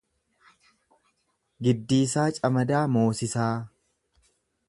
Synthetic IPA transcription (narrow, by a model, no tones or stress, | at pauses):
ɡɪd̪ːiːsaːt͡ʃʼɐmɐd̪aːmo̞ːsɪsaː